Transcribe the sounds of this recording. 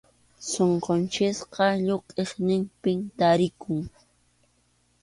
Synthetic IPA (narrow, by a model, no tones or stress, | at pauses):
soɴqont͡ʃɪsqɑʎoqʼeχnɪmpɪmt̪aɾɪkʊŋ